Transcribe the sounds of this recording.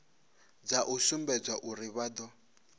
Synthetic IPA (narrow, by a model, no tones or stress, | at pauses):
d͡zaʔusumbɛd͡zʷwaʔuɾiβad̪ɔ